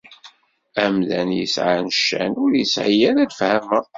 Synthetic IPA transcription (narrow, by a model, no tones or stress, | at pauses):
æmðænjə̰sʕanəʃːæ̰nʊɾjəsʕijæɾæd̪fhæmə